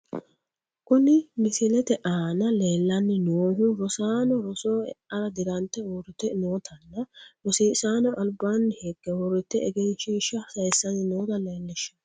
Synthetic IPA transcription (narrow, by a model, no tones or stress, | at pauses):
kʊnɪmɪsɪlɛt̪ɛʔaːnɐle̞ːlːɐnːɪnoːɦʊɾɔsaːnɔɾɔsoːɛɐɾɐd̪ɪɾɐnt̪ːɛwɔɾɪt̪ɛnoːt̪ʰɐnːɐɾɔsiːsaːnɔʔɐlbaːnːɪheɡːɛwɔɾɪt̪ːɛɛɡɛnʃiːʃːɐsɐjsːɐnɪnoːt̪ɐleːlːɛʃːɐ̥n